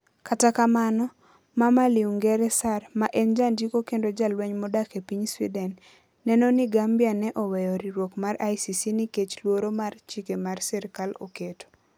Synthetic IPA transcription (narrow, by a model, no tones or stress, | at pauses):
katakamanɔ | mamaliuŋɡɛɾɛsarmaʔend͡ʒandikokendod͡ʒalwɛɲmɔdakepiɲswidɛnː | ɛnoniɡambjanɛʔɔwɛjɔɾiɾwokmaɾajsisiniket͡ʃlwoɾomart͡ʃikemarsɛɾkalo̰keto̥